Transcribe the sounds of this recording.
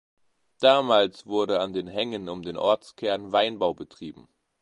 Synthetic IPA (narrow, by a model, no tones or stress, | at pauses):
d̥aːmaːlsv̥ʊɐɾəandeːnɦɛŋənʊmdeːnʔɔɐt͡skʰɛɐnvaɪnbaʊbətʁ̥iːbm̩